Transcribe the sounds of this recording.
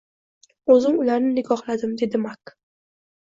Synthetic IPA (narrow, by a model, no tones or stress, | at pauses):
ɵzɪŋʊlaɾnɪnɪɡɒχlad̪ɪmd̪e̞d̪ɪmak